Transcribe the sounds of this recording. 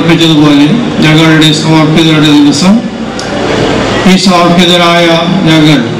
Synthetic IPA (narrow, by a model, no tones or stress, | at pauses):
pːit͡ɕːɐðupoːled͡ʑɐɣɐɭiɽesaːrpːiðɐɾɐɽed̪iʋɐsɐm | piːsoːrpːiðɐɾaːjɐd͡ʑɐɣɐɭ